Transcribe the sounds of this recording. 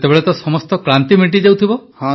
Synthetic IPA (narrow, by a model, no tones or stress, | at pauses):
t̪ebeɭet̪ɔsɔmɔst̪ɔkɾant̪imiʈ̬id͡ʒewt̪ʰibɔhã